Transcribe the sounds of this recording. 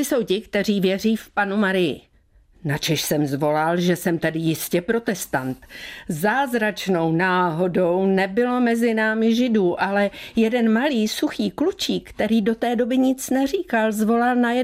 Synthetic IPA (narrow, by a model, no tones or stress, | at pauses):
ɪso̞wcɪkt̪ɛr̝iːvjɛr̝iːfpanumaɾɪjɪ̰ | nat͡ʃɛʃsɛmzvo̞lalʒɛsɛmt̪adɪjɪscɛpɾo̞t̪ɛst̪ant̪zaːzɾat͡ʃno̞wnaːɦo̞do̞wnɛbɪlo̞mɛzɪnaːmɪʒɪduːʔalɛjɛdɛnmaliːsuxiːklut͡ʃiːkt̪ɛɾiːdo̞t̪ɛːdo̞bɪɲɪt͡snɛriːkalzvo̞lalnajɛ